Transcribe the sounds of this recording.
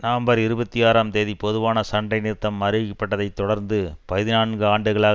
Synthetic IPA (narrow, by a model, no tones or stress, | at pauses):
nɐʋɐmbɐɾɪɾɯbɐt̪ːijaːɾaːmt̪eːðipɔðɯʋaːnɐsɐɳɖɐɪnɪɾt̪ːɐmːɐɾɯʋɪkɐpːɐʈːɐðɐɪt̪ːɔɽɐɾnd̪ɯpɐjɯðɪnaːɳɡɯaːɳɖɯɣɐɭaːɣ